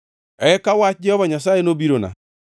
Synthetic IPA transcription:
ɛkawad͡ʒɛhɔβaɲas̬aenobiɾona̰

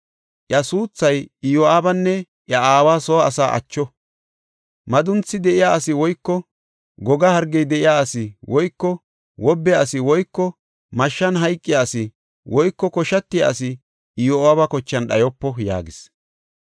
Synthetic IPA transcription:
ʔjɐsuːt͡sːɐjɪjɔaːbɐnːɛ | ʔjɐaːwaːsɔɐsaːʔɐ̰t͡ʃːɔ | mɐd̪ʊnt͡sːɪd̪ɛʔɪjaːɐsɪwɔjkːɔ | ɡɔɡɐhɐɾɡːɛjd̪ɛʔɪjaːɐsɪwɔjkːɔ | wɔbːɛjaːsɪwɔjkːɔ | mɐʃːɐnɦɐjkʼːɪjaɐsɪ | wʔɔjkːɔkɔʃɐt̪ːɪja̰sɪ | ɪjoaːbɐkɔt͡ʃːɐnɗɐjɔpːɔja̰ːɡɪs

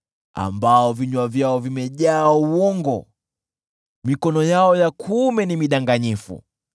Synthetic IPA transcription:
a̰mbaɔviɲwavjaɔvimɛʄaːuwɔŋɡɔ̰ | mikɔnɔjaɔjakʰumɛnimiɗaŋɡaɲifṵ

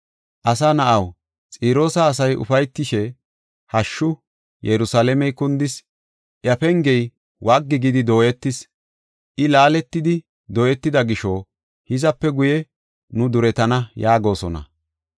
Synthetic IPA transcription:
ʔɐsanɐʔɐw | t͡sʼiːɾo̞ːsɐːs̬ɐjʔʊ̰fɐjt̪ːɪʃɛ | hɐʃːʊ | jɛɾʊsaːlɛmɛjkʊnd̪ɪs | ʔjɐfɛŋɡɛj | wʔaɡːɪɡɪd̪ɪd̪o̞ːjɛt̪ːɪs | ʔɪlaːlɛt̪ːɪd̪ɪ | d̪oːjɛt̪ːɪd̪ɐɡɪʃo | hɪzɐpːɛɡʊjɛ | nʊd̪ʊɾɛt̪ɐnɐjaːɡo̞ːsɔ̰nɐ̰

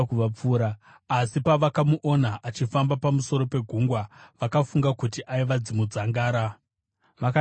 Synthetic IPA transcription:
kuʋap͡fuːɾaː | sipaʋakamuʔo̞naʔat͡ʃifambapamuso̞ɾo̞pe̞ɡʱuŋɡwaʋakafuŋɡakutiʔaiʋad͡zimud͡zaŋɡaːɾa | ʋaka

